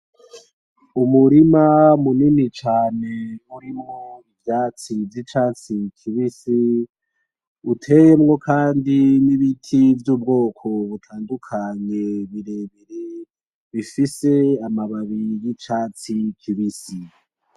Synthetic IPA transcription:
umuɾimamuninit͡ʃaːne̞uɾimŋoivjaːt͡sivjit͡ʃaːt͡sikʰiβisi | utʰe̞je̞mŋo̞kʰaːndiniβitʰivjuːb̚ɡo̞ːkʰo̞βutʰaːndukʰaɲe̞βiɾeβiɾe | βifise̞amaβaβijit͡ʃaːt͡sikʰiβisi

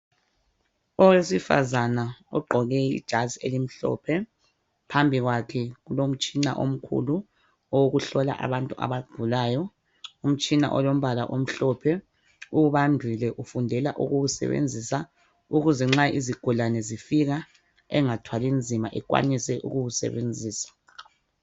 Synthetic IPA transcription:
ɔwesifa̰zanaɔ̰ɡ͡ǃʱɔɣɛḭd̥ʒ̥ʱazielim̩ɬɔ̰pʰɛ | pʰambʱiɣwakʰɛɣulom̩t͡ʃʼina̰ʔo̰m̩kʰṵlu | ɔwɣuɬɔla̰ʔa̰βantʼuʔa̰βaɡ̥ʱulaːjɔ | um̩t͡ʃʼina̰ʔɔlom̩βalaʔom̩ɬɔpʰɛ | uuβandʱilɛʔufundʱɛla̰ʔuɣuwusɛ̰βḛnd͡zʱisa | uɣuzɛŋ͡ǁaiziɡ̥ʱulanɛzifiɣa | ɛ̰ŋatʰwalind͡zʱimaʔɛkwa̰nisɛʔṵɣuwusɛ̰βend͡zʱiːsḁ

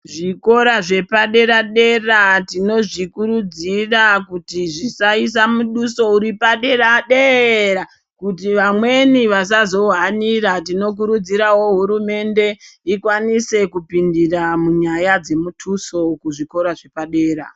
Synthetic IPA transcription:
ʐiko̞ɾaʐe̞paɗe̞ɾaɗe̞ratino̞ʐikuɾud͡zirakutiʐisais̬amuɗuso̞uɾipaɗe̞raɗeɾa | kutiʋamwe̞niʋas̬azo̞ɦaniɾatino̞k̬uɾud͡ziɾawo̞ɦuɾume̞nde̞ikwanise̞kupindiramuɲajad͡ze̞mutʰuso̞kuʐiko̞ɾaʐe̞paɗe̞ːɾa̰

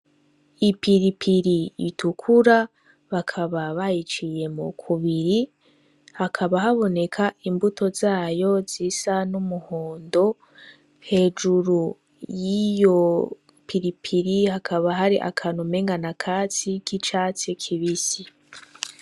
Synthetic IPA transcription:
ipiɾipʰiɾiḭtukʰuɾa | βakʰaβaβajit͡ʃije̞mṵkʰuβiɾi | hakʰaβahaβo̞ne̞kʰaʔimbutʰo̞zaːjo̞zisanumuhoːndo̞ | he̞ːd͡ʒuɾu | jijo̞ | piɾipʰiɾihakʰaβaɦaɾiʔa̰kʰanumeːŋɡanakʰaːt͡sikit͡ʃaːt͡sekʰiβisi

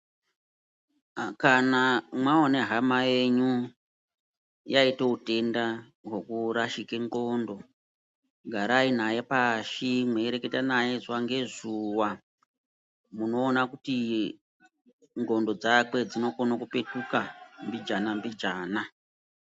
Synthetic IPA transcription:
kanamwaoneɦamaje̞ɲu | jaiteute̞nda | ɦwekuɾaʃikeŋɡo̞ːndo̞ | ɡʱaɾain̤aje̞paʃimweɾe̞ketanaje̞zwaŋɡe̞zuwa | muno̞ːnakuti | ŋɡo̞ndo̞d͡zakwe̞d͡zino̞konakupe̞tukambid͡ʒanambid͡ʒaːna

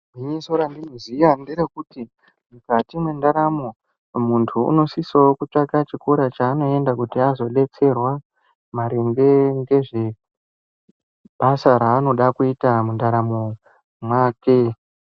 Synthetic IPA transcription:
iɲiso̞ɾandinozijandiɾekuti | mukatimwendaɾamo | muntʰuṵno̞sisaokut͡ʂakat͡ʃikoɾat͡ʃaːno̞e̞ndakutiazo̞ɗe̞t͡se̞rwa | maɾeŋɡeŋɡe̞ʐe | ɓasaɾaːno̞ɗakuitamundaɾamo | mwaːke̞

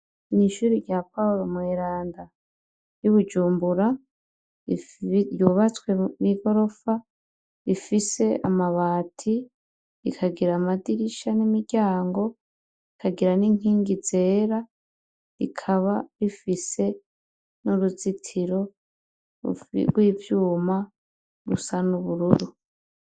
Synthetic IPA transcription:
niʃuːɾiɟjapauɾo̞mweɾaːnda | juβud͡ʒuːmbuɾa | juːβat͡swemiɡo̞ɾo̞fa | ifise̞a̰maβaːtʰi | ikʰaɡiɾamadiɾiʃanimiɟaːŋɡo̞ | ikʰaɡiɾaniŋ̥iːŋɡize̞ːɾa | ḭkʰaβaɾifise̞ | nuɾuzitʰiɾo̞̰ | wiːvjuːma | ɾusanuβuɾuɾu

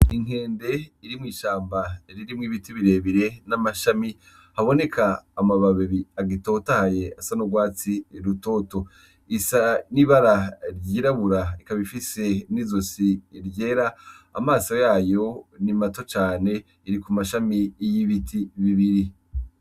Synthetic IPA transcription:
iŋ̥e̞ːnde̞iɾimŋiːʃaːmbaɾiɾimŋiːβitiβiɾe̞ːβiɾe̞namaʃami | haβo̞ne̞kʰaːmaβaβiβiaɡito̞tahaje̞asanoɡwaːt͡siɾuto̞ːto̞ | isaniβaɾaɾɟiːɾaβuɾaikaβifise̞nizosiɾje̞ːɾa̰ː | maːsojaːjo̞nimato̞t͡ʃaːne̞ | iɾikumaʃamijiβitʰiβiβiɾi

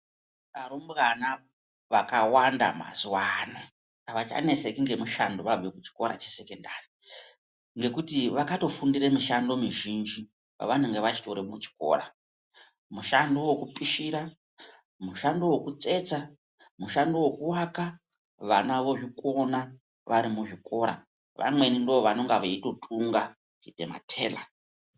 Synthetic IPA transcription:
aɾomrana | ʋakawanda̰ma̰zuwano | ʋat͡ʃa̰ne̞sekiŋɡe̞muʃando̞ʋavekut͡ʃi̥ko̞̰ɾa̰t͡ʃese̞kendaːri | ŋɡe̞kutiʋakato̞fundiremuʃando̞miʒind͡ʒi | pa̰ʋanuŋɡeʋat͡ʃi̥toɾemut͡ʃi̥ko̞̰ːɾa | muʃandowokupʼiʃiɾa | muʃandowokut͡se̞t͡sa | muʃandowokuwaka | ʋa̰naʋo̞ʐiko̞na | ʋaɾimuʐiko̞ɾa̰ | ʋʔa̰mwe̞nindooʋano̞ŋɡaʋeito̞tʰʼuŋɡa | ʐiɗḛma̰tʰe̞̰ːla̰

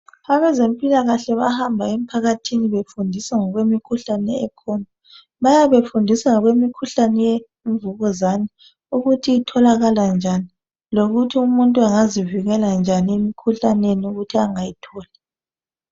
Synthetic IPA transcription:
aβɛzempʼilaɣaɬɛβahambʱaem̩pʰaɣatʰiniβefundʱisaŋɔɣwemikʰuɬanɛɛkʰɔna | βajaβefundʱisaŋɔɣwemikʰuɬanɛje | ɱvuɣɔzani | uɣutʰiːtʰɔlaɣaland͡ʒʱani | loɣutʰiumuntʼuaŋaziviɣɛland͡ʒʱaniemikʰuɬaneniuɣutʰiaŋajitʰɔːlɛ

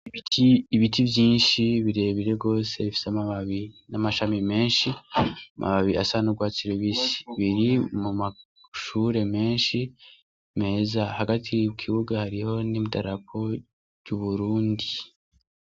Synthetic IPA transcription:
iiβitʰivjiːnʃiβiɾe̞ːβiɾe̞ɡo̞ːse̞βifi̥seamaβaβinamaʃamime̞ːnʃiamʔa̰βaβia̰sanuɡwasiɾiβisi̥βiɾimuma | ʃuɾe̞me̞ːnʃi | me̞ːzahaɡatʰiwkʰiβuɡahaɾiho̞nimidaɾakʰo̞ | juβuɾuːndi

